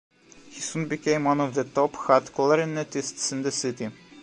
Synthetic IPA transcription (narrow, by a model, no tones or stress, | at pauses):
hisũnbikẽɪ̃mwʌ̃nɔvðətɔpxɑt̪kʰɔlˠəɾɪnetɪstsɪ̃nd̪əsɪti